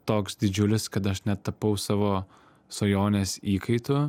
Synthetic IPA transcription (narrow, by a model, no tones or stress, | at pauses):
t̪oːksd̪ʲɪd͡ʒʲʊlʲɪskɐt̪ɐʃnʲɛt̪ɐpɐʊsɑːʋoː | soːjoːnʲesiːkɐɪt̪ʊ